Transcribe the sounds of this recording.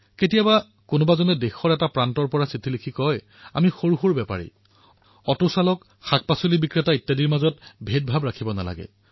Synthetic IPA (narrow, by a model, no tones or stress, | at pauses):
ketijaba | kʊnʊbazɔnɛdexɔɹɛtapɹantɔɹpɔɹasitʰilikʰikɔj | a̰mixoɹuxuɹbɛpa̰ɹḭ | ɔtusalɔk | xak̚pasolibikɹetaitːadiɹmazɔtbʱet̚bʱabɹakʰibɔna̰la̰ɡɛ̰